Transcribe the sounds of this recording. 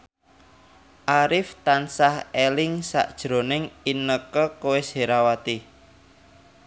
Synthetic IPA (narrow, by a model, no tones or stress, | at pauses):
ʔaɾɪft̪ansahelɪŋsa̰ʔd̥ʒ̥ɾo̤nɪŋinəkəkoweseɾawat̪i